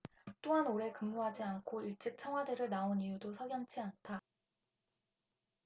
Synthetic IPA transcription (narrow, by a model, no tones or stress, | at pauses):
t͈oɦanoɾe̞kɯmːuɦad͡ʑiankʰoiɭt͡ɕ͈ik̚t͡ɕʰʌŋwadeɾɯɭnaonijudosʰʌɡjʌnt͡ɕʰiantʰa